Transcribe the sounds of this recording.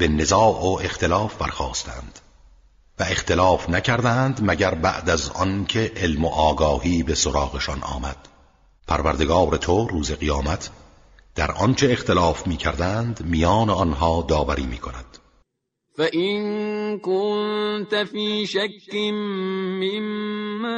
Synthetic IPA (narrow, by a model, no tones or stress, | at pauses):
b̥ene̞zɒːʔoʔe̞xt̪ʰe̞lɒːfbæɾxɒːst̪æ̰nd̪̥ | væe̞xt̪ʰe̞lɒːfnæcʰæɾd̪ænd̪mæɟæɾbæ̰ʔd̪æzɒ̰ncʰe̞ʔelmoʔɒːɡɒːhiːbesoɾɒːɣe̞ʃɒnʔɒ̰ːmæd̪̥ | pʰæɾvæɾd̪e̞ɡɒːɾet̪ʰoruːze̞ɣijɒːmæt̪ʰ | d̪̥æɾʔɒ̰nt͡ʃʰe̞ːxt̪e̞lɒːfmiːcʰæɾd̪ænd̪mijɒːneɒnɦɒːd̪ɒːvæɾḭːmḭːkʰo̞næ̰d̪̥ | fæʔinkont̪afiːʃækːimːimː